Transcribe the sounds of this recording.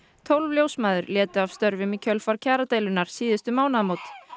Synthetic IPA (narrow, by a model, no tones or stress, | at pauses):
t̪ʰowlvljowsmaːðʏɾljɛːt̪ʏavst̪œɾvɪmicʰœlfaɾ̥cʰaːɾat̪eːjlʏnaɾ̥siːðɪst̪ʏmaːwnaðmoːwt̪